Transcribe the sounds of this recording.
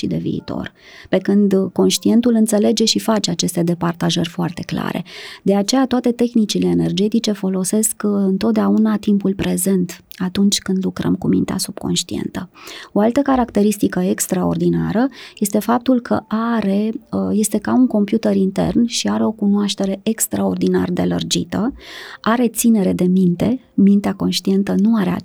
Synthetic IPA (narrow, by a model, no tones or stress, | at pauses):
ʃid̪e̞̰vḭːt̪o̞̰rpe̞kɨnd̪ko̞nʃt̪ie̞nt̪ulɨnt̪se̞le̞d͡ʒe̞ʃifat͡ʃe̞at͡ʃe̞st̪e̞d̪e̞part̪aʒərʲfoart̪e̞kla̰ɾe̞̰d̪e̞at͡ʃe̞jat̪oat̪e̞t̪e̞xnit͡ʃile̞ːne̞rd͡ʒe̞t̪it͡ʃe̞fo̞lo̞se̞skɨnt̪ot̪̚d̪eaunat̪impulpɾe̞ze̞nt̪at̪unt͡ʃʲkɨnd̪lukɾə̰mkumḭnt̪a̰sub̥ko̞̰nʃt̪iḛnt̪əo̞alt̪əkaɾakt̪e̞ɾist̪ikəekst̪ɾao̞̰rd̪ina̰ɾəje̞st̪e̞fap̚t̪ulkʰə̰ʔaɾe̞je̞st̪e̞kauŋko̞mpjut̪eɾint̪e̞̰rnʃiaɾeo̞kunoaʃt̪e̞ɾe̞ʔekst̪ɾao̞rd̪ina̰rd̪e̞̰lə̰rd͡ʒḭt̪əʔaɾe̞t̪sine̞ɾe̞d̪e̞mint̪e̞ | mint̪eako̞nʃt̪ie̞nt̪ənuaɾea̰